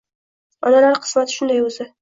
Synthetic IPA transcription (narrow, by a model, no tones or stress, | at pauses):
ɒnalaɾqʰɨ̥smat̪ʰɪ̥ʃʊnd̪ajɵzɪ